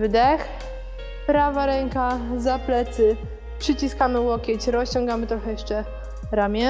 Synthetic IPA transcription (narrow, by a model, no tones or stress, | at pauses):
vd̪ɛx | pɾavaɾɛŋkazaplɛt̪sɘ | pʂɘt͡ɕiskamɘwɔkʲɛt͡ɕɾɔst͡ɕɔŋɡamɘt̪ɾɔxɛjɛʂt͡ʂɛ | ɾamʲɛ